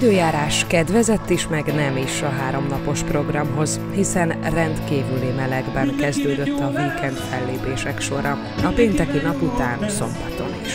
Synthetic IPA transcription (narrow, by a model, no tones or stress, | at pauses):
d̪øːjaːɾaːʃkɛd̪ʋɛzɛt̪ːiʃmɛɡnɛmiʃɒɦaːɾo̞mnɒpo̞ʃpro̞ɡrɒmɦo̞z | hisɛnrɛnt̪kiːvylimɛlɛɡbɛŋkɛzd̪øːd̪ø̞t̪ːɒvikɛnt̪fɛlːeːpeːʃɛkʃo̞ɾɒ | ɒpeːnt̪ɛkinɒput̪aːnso̞mbɒt̪o̞niʃ